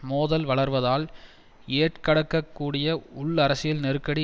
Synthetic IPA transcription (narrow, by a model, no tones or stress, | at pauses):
moːðɐlʋɐɭɐɾʋɐðaːl | eːʈkɐɽɐkːɐkːuːɽɪjɐʊɭɐɾɐsɪjɪlnɛɾɯkːɐɽi